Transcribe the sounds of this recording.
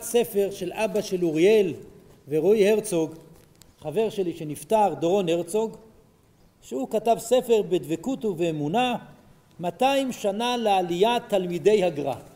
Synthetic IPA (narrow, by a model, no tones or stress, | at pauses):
se̞fe̞ʁʃe̞lʔabaʃe̞luʁje̞l | veʁojhe̞ʁt͡soɡ | χave̞ʁʃeliʃe̞niftaʁd̪oʁonhe̞ʁt͡so̞ɡ | ʃeukatavse̞feʁbedvekutuveːmuna | mataimʃanalealijatalmide̞jhaɡʁa̰